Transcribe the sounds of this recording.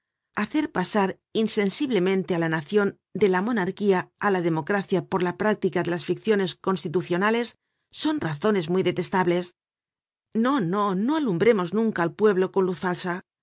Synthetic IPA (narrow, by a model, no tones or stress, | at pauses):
aθe̞ɾpasaɾ | inse̞nsiβle̞mẽnt̪e̞alanaθjo̞n | d̪e̞lamo̞naɾkiaalaðe̞mo̞kɾaθjapo̞ɾlapɾak̚t̪ikaðe̞lasfikθjo̞ne̞sko̞nst̪it̪uθjo̞nale̞sː | o̞nraθo̞ne̞zmuijðe̞t̪e̞st̪aβle̞s | no̞no̞no̞alumbɾe̞mo̞znũŋkaːlpwe̞βlo̞ko̞nluθfalsa